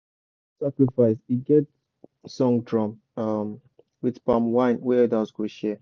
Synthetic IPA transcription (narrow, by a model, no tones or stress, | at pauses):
sakɹifaɪsiɡɛt̚ | sɔ̃ŋdɹɔ̃m | am | widpamwãɪ̃nwɛdazɡoʃɛ